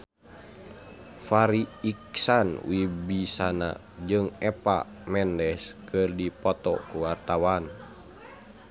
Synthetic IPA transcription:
faɾiiksanwibisana̰ | d͡ʒɨŋɛpa̰ | mɛndɛskɨrdipɔt̪ɔ̰kuwart̪awan

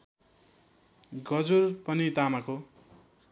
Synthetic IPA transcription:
ɡʌd͡zurpʌnid̪amako

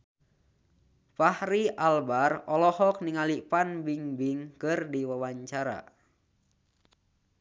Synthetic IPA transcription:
pahɾialbarɔlɔhɔk̚niŋalipanbiŋbiŋkɨrdiwawaɲt͡ʃaɾa̰

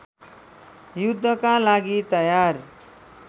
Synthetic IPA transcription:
jud̪ʱːʌkalaɡit̪ʌjar

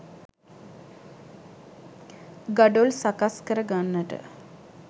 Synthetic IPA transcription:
ɡaɖolsakaskəɾəɡanːəʈə̰

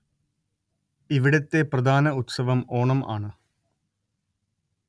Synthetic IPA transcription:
iʋiɽɐt̪ːe̞prɐd̪ʱaːnɐut̪sɐʋɐmoːɳɐma̰ːɳɨ

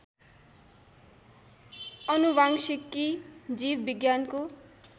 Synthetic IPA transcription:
ʌnubʱaŋsikːid͡zibbiɡjanko

